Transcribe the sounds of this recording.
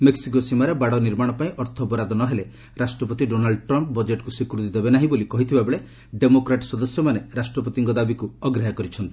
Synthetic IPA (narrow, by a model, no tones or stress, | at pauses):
meksik̬osimaɾebaɽɔniɾmaɽ̃ɔpaĩʔɔɾt̪ʰɔbɔɾad̪ɔnɔɦele | ɾasʈɾɔpɔt̪iɖonalɖʈɾɔmp̚bɔd͡ʒeʈkusikɾut̪id̪ebenaɦĩbolikɔɦit̪ʰibabeɭe | ɖemokɾaʈɔsɔd̪ɔsjɔmaneɾasʈɾɔpɔt̪iŋkɔd̪abikuɔɡɾeɦakɔɾit͡ʃʰɔnt̪i̥